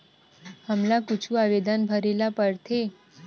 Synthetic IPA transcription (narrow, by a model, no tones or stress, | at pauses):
həmlakut͡ʃʰuaʋed̪anbʱəɾelapəɾt̪ʰe